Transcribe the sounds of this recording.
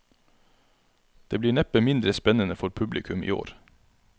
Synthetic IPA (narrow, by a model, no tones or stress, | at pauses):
d̪̥eːbliːɳɛpəmɪnd̪ɾəspɛnənəfɔɾpʰʉblɪkʰʉmḭːo̰ːɾ